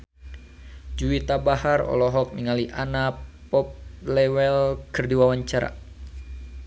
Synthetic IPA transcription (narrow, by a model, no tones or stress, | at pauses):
d͡ʒuit̪abaharɔ̰lɔɦɔk̚niŋaliʔanapɔp̚lɛwɛlkɨrdiwawaɲt͡ʃaɾa̰